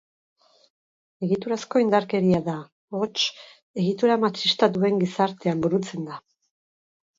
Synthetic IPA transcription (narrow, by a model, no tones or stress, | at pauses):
e̞ɣit̪uɾasko̞ind̪aɾke̞ɾiaða | o̞t͡ʃ | e̞ɣit̪uɾamat͡ʃist̪aðue̞ŋɡisaɾt̪e̞ambuɾut͡se̞nd̪a